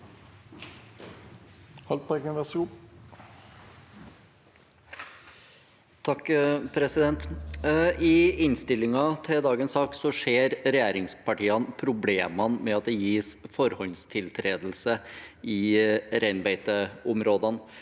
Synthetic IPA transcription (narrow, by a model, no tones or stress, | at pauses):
hɑlt̪̚pɑkənd̪ɑsu | t̪ʰɑkːpʰɾɛsɪd̪ɛnt̪ | ɪɪnst̪ɪlːɪŋɑt̪ʰɛd̪ɑːɡənsɑːksɔʂeːɾɾɛjæːɾɪŋspʰɑʈiːɑnpʰɾʊbleːmɑnmɛɑt̪̚d̪ɛjiːsfɔɾhɔnst̪ʰɪlt̪ʰɾeːd̪lsəɪɾæɪnbæɪt̪əɔmɾoːd̪ɑn